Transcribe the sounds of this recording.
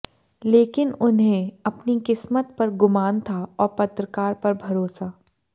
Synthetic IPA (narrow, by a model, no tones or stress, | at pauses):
leːkɪnʊnɦẽɐpnikɪsmət̪̚pɐɾɡʊmaːnt̪ʰaɔːɾpɐt̪ɾəkaːɾpɐɾbʱɐɾoːsaː